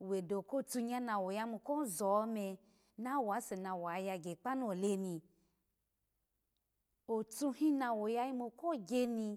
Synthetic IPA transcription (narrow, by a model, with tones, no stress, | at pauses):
we˨do˨ko˦˨t͡su˧ɲã˦nã˧wo˨ja˧˦mu˧ko˦zɔ˨˦me˧ | nã˦wa˨˦se˨nã˧wa˨ja˧ɡe˨k͡pa˦nu˦o˨le˧nĩ˧ | o˨t͡su˧hĩ˦nã˧wo˨ja˧ji˦mo˧˨ko˦˨ɡʲe˧nĩ˧